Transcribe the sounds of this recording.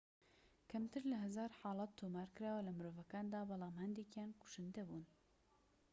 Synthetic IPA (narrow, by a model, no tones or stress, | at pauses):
kʰɛmt̪ɨɾlɨɦɛzɑːɾħɑːlɑt̪ʰːoːmɑːɾkɨɾaːwɛlɨmɨɾoːvɛkɑːnd̪ɑːbɑlˠɑːmhɛnd̪ikjɑːnkʊ̥ʃɨnd̪ɛbuːn